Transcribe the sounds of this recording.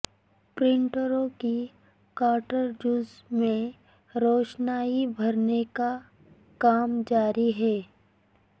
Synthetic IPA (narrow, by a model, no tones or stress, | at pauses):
pɾɪ̃ɳʈəɾõki | kaːʈəɾd͡ʒuːzmẽ | ɾɔːt͡ʃnaːibʱɐɾneka | kaːmd͡ʒaːɾiɦɛː